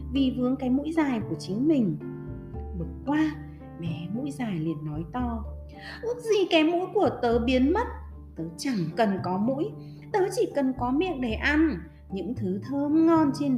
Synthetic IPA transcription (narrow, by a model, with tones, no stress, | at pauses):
vi˨˩vɨ˨˦əŋkaː˨˦jmṵ˧˥jzaː˨˩jku˧˩ət͡ɕï˨˦ŋ̟mï˨˩ŋ̟ | ɓɨ˨˩ət̚kwaː˧ | ɓɛ˨˦mṵ˧˥jzaː˨˩jli˨˩ənːɔ˨˦jt̪ɔ˧ | ʔɨ˦˥ək̚zi˧˩kaː˨˦jmṵ˧˥jku˧˩ət̪əː˨˦ɓi˨˦ənmə˦˥t̚ | t̪əː˨˦t͡ɕa˧˩ŋkə˨˩nkɔ˨˦mṵ˧˥j | t̪əː˨˦t͡ɕi˧˩kə˨˩nkɔ˨˦mḭ˧˨əŋɗe˧˩ʔa˧n | ɲɨ̰˧˥ŋt̪ʰɨ˨˦t̪ʰəː˧mŋɔ˧nt͡ɕe˧n